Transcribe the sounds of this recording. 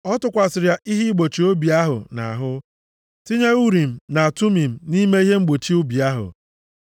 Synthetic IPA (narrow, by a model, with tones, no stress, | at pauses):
ɔ˦tʊ˨kʷa˨sɪ˨ɾja˨ʔi˦ɦi˦ɡ͡bo˨t͡ʃi˨o˦bi˨a˦ɦʊ̰˨na̰˨ɦʊ˦ | ti˦ɲe˦u˦ɾi˨m̩˨na˨a˨tu˦mi˨m̩˨ni˦me˦i˦ɦe˦ŋ͡m̩˦ɡ͡bo˨t͡ʃi˦ʊ˦bi˨a˦ɦʊ̰˨